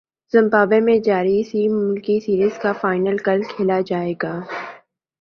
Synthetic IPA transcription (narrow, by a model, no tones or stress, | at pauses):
z̥ɐ̃mbaːbemẽd͡ʒaːɾisimʊlkisiːɾizkafaːɪnəlkɐlkʰeːlad͡ʒaːeːɡaː